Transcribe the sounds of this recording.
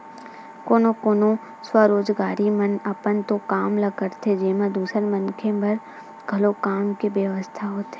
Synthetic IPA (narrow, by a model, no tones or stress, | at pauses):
koːnokoːnõ | swəɾoːd͡ʒɡaːɾimɐnɐpənt̪okaːmlɐɡəɾt̪ʰed͡ʒeːmə̃d̪uːsəɾmɐ̃nkʰemɐɾ | ɡ̥ʱɐlokaːmkeʋjəʋəst̪ʰaɦoːt̪eː